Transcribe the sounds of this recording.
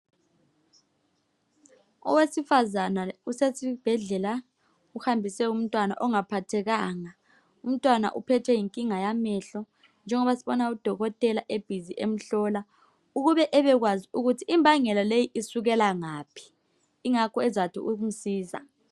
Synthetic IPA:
ɔ̰wesifazanausesib̥ʱɛɮɛla | uhambʱisɛum̩tʼwana̰ʔɔŋapʰatʰɛɣaːŋa | um̩tʼwana̰ʔupʰɛtʰɛjiŋkʼiŋajamɛɬɔ | nd͡ʒʱɛŋɔβasiβɔnaud̥ʱɔɣɔtʼɛlaʔeb̥ʱiziʔem̩ɬɔla | uɣuβɛʔɛβɛɣwaziuɣutʰiimbʱaŋɛlalejiʔisuɣɛlaŋaːpʰi̥ː | ŋakʰɔɛzatʰḭuum̩siːza̰

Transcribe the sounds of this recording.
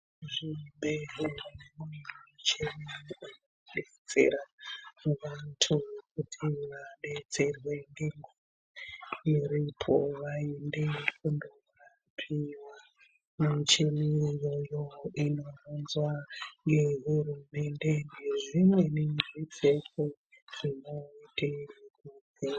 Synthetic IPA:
ʐimbeɦermwemit͡ʃemiino | ɗet͡sḛɾamuʋantʰukutʰiʋane̞t͡se̞rwe̞ŋɡe̞ŋɡuʋaiɾipʰoʋaende̞kʰundo | ra | pʰiwa | mut͡ʃemijo̞joino̞ronzwaŋɡe̞ɦurume̞nde̞ŋɡeʐimwe̞neʐit͡seko | ʐ̥ino̞itʰeiku | e

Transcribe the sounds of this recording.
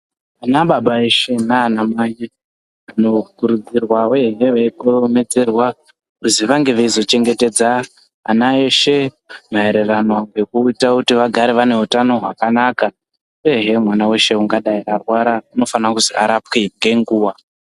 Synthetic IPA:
anaɓaɓae̞ʃe̞naːnamaɲe | anokuɾud͡zirwaweɦe̞ʋeikome̞d͡ze̞rwa | kuziʋaŋɡe̞ʋeizo̞t͡ʃe̞ŋɡe̞te̞d͡za | a̰naeʃe̞ | m̤ae̞ɾe̞ranaŋɡe̞kuitakutiʋaɡʱaɾeʋane̞ɦutano̞ɦwa̰kanaka | weɦe̞mwanawe̞ʃe̞uŋɡaɗairarwaɾauno̞fanrakuzia̰ɾap̚keɡeŋɡuːwa

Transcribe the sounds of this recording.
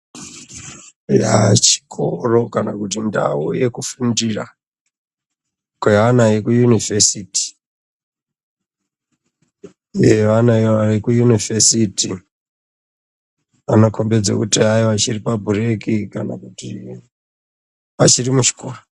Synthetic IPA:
jat͡ʃi̥kʰoro̞kanakutinda̰uje̞kufundira | kweɦanajekujunivesiːti̥ | jeʋanaʋarekujunivʱesiti | ʋanokʰo̞mbed͡zo̰kutiajoʋat͡ʃiripabʱure̞kikanakuti | ʋat͡ʃirimut͡ʃi̥kura

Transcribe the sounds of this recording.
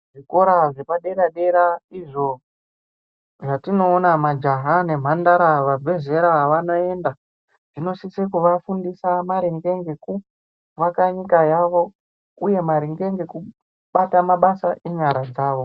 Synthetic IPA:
ʐiko̞ɾaʐepaɗe̞ɾaɗe̞ɾaiʐo̞ | ʐatino̞ːnamad͡ʒaɦane̞m̤andaɾaʋab͡vʱe̞ze̞ɾaaʋano̞e̞nda | ʐino̞sisekuʋafundisamaɾeŋɡe̞ŋɡe̞ku | ʋakaɲikajaʋo̞ | uje̞maɾiŋɡe̞ŋɡe̞ku | ɓatamaɓasaʔeɲaɾad͡zaːʋo̞

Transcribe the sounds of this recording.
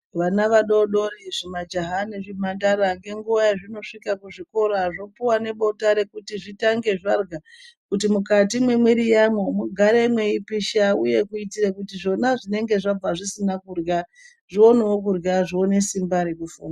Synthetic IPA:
ʋanaʋaɗoɗo̞ɾiʐimad͡ʒaɦane̞ʐim̤andaɾaŋɡe̞ŋɡujaʐino̞ʂikakuʐiko̞ɾaʐopuwane̞ɓotaɾe̞kutiʐitaŋɡe̞ʐarɡa | kutimukatimwe̞mweɾijamwomuɡʱaɾeimwe̞ipiʃauje̞kuitirekutiʐo̞naʐine̞ŋɡe̞ʐab͡vaʐisinakurɣa | ʐio̞nowokurɣaʐio̞ne̞simbaɾe̞kufuːna

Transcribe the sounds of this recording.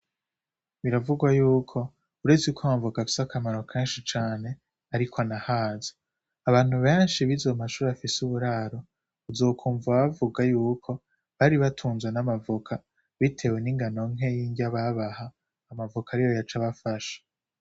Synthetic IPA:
βiɾavuɡwajuːkʰo̞ | uɾeziukʰamavukafi̥sakamaɾo̞kʰeːnʃit͡ʃaːne̞ | aɾikʰonahaːzo | aβaːn̥huβe̞ːnʃiβizomaʃuːɾeafisuβuɾaːɾo̞ | uzo̞ːkʰuːɱvuaβavuɡajuːkʰo̞ | βaɾiβatʰuːnzwenamavukʰa | βitʰe̞ːwe̞niŋɡano̞ŋ̥e̞jiːɲɟaβaβahaː | mavukaɾijo̞jat͡ʃaβafaʃḁ

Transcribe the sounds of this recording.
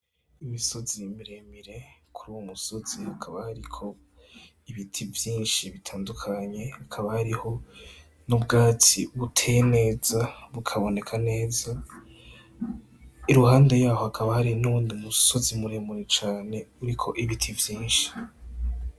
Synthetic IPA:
imiso̞zimiɾe̞miɾe̞kʰuɾuːwomuso̞z̥ihakʰaβahaɾikʰo̞ | iβitʰivjiːnʃiβitʰaːndukʰaɲe̞hakʰaβahaɾiho̞ | nub̚ɡaːt͡siβutʰe̞jene̞ːzaβukʰaβo̞ne̞kʰane̞ːza | iɾuhaːnde̞jaːho̞hakʰaβahaɾinuβuːndiumuso̞zimuɾe̞muɾet͡ʃaːne̞uɾikʰo̞ʔiβitʰivjiːnʃi̥

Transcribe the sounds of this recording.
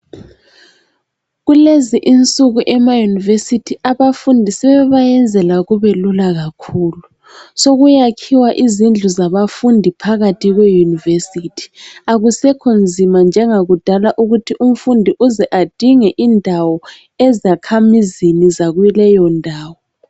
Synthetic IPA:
ɣuleziʔint͡sʼuɣuʔɛmajunivesitʰiʔaβafundʱisɛβɛβajɛnd͡zʱɛlaɣuβɛlulaɣakʰuːlu | soɣujakʰiwaʔizind͡ɮʱuzaβafundʱipʰaɣatʰiɣwɛjunivesitʰi̥aɣusɛkʰond͡zʱimand͡ʒʱɛŋaɣud̥ʱalaʔuɣutʰiʔum̩fundʱiʔuzɛʔad̥ʱiŋɛʔindʱawɔ | ɛzakʰamizinizaɣwjilɛjɔndʱaːwɔ

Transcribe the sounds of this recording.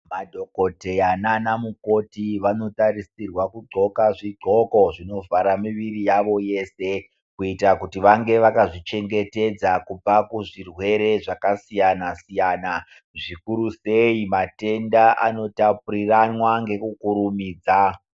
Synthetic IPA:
madʱo̞ko̞te̞jananamuko̞tiʋano̞taɾisirwakuɡ͡ǀʱo̞kaʐiɡ͡ǀʱo̞ko̞ʐino̞vaɾamiʋirijaʋo̞je̞se̞ | kuitakutiʋaŋɡe̞ʋakaʐit͡ʃe̞ŋɡe̞te̞d͡zakupakuʐirwe̞ɾe̞ʐakasijanasijaːna | ʐikuɾuse̞imate̞ndaʔano̞tapuriranwaŋɡe̞kukuɾumiːd͡za

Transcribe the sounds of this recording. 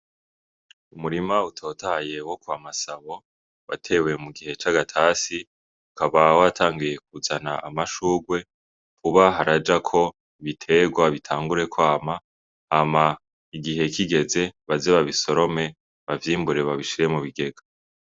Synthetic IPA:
umuɾimautʰo̞ːtʰaje̞wo̞kuβamasaβo̞ | wa̰tʰe̞we̞muɡihe̞t͡ʃaɡatʰaːsi | ukaβawatʰaːŋɡuje̞k̚uzanaʔamaʃuːɡwe̞ | kuβaɦaɾad͡ʒakʰo̞ | iβitʰe̞ɡwaβitʰaːŋɡuɾe̞kwaːma | hama | iɡiɦe̞kʰiɡe̞ze̞βazeβaβiso̞ɾo̞me̞ | βavjiːmbuɾe̞βaβiʃiɾe̞muβiɡe̞ɡa

